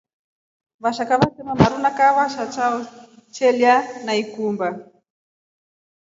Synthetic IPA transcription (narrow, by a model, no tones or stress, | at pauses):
βaʃakaβasɛmamaɾunakaβaʃat͡ʃaɔt͡ʃɛljanaikumba